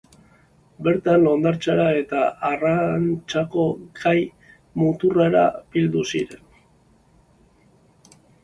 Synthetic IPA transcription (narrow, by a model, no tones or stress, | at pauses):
be̞ɾt̪anlond̪aɾt͡ʃaɾae̞t̪aarant͡ʃako̞ɡaj | mut̪ureɾa̰b̥ild̪usḭɾe̞n